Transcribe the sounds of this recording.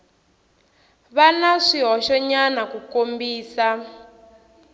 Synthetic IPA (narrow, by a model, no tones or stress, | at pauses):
βanaʂiɦɔʃɔɲanakukombiːsa